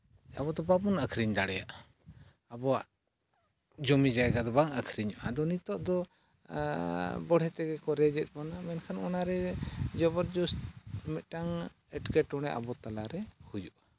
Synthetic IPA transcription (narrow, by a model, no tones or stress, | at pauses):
a̰bɔd̪ɔbabɔnakʰɾiɲd̪aɽɛjaʔ | abɔaʔ | d͡ʒɔmid͡ʒaɛɡad̪ɔbaŋakʰɾiɲɔʔad̪ɔnit̪ɔʔd̪ɔ | bɔɽ̤ɛt̪ɛɡɛkɔɾɛd͡ʒɛt̪̚ˀbɔnamɛnkʰanɔnaɾɛd͡ʒɔbɔɾd͡ʒusmɛt̪̚ˀʈaŋ | ɛʈkɛʈɔɽ̃ɛʔa̰bɔt̪alaɾɛhujuʔa